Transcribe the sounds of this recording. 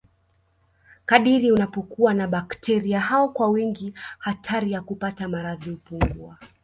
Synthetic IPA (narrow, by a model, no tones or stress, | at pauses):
kaɗiɾiunapɔkuwanaɓaktʰɛɾiaɦaɔkwawiŋɡihatʰaɾijakupatamaɾaðiupuŋɡua